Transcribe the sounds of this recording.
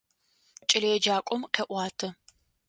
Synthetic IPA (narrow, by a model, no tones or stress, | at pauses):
t͡ʃʼɪlɐjɛd͡ʒaːkʷʼɔmqʲɛʔʷɑːtʰɨ